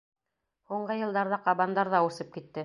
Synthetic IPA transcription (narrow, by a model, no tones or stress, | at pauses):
huɴɢɤjɤ̆lˠd̪ɑɾðɑqɑβɑnd̪ɑɾðɑusɤp̚kit̪ːɘ